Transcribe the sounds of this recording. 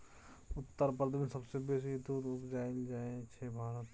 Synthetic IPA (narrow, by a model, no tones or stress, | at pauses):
ʊt̪ːəɾpəɾd̪ʱmẽsɐbsebeːs̬id̪uːɾʊpd͡ʒaːɪld͡ʒaːẽt͡ʃʰebʱaːɾət̪